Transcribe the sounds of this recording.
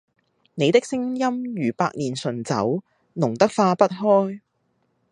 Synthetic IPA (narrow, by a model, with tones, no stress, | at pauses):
ne˨˧jt̪ɪ˥k̚sɪ˥ŋjɐ˥mjyː˨˩paː˧k̚niː˨˩nsɵ˨˩nt͡sɐ̰˨˥w | nʊ˨˩ŋt̪ɐ˥k̚faː˧pɐ˥t̚ɦɔː˥j